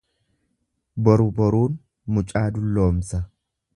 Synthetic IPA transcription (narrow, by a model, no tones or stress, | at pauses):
bɔɾʊbɔɾuːn | mʊt͡ʃʼaːd̪ʊlːoːmsɐ